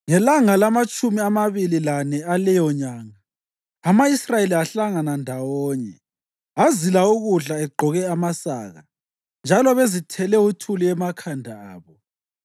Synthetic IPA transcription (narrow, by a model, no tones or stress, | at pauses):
ŋɛlaŋalamat͡ʃʼumiamaβililanɛalɛjɔɲaːŋaː | majisrajeliaɬaŋanandʱawɔːɲɛ | azilauɣuɮaɛɡ͡ǃʱɔɣɛamasa̰ːɣa | nd͡ʒʱalɔβezitʰɛlɛutʰuliɛmakʰandʱaa̰ːβɔ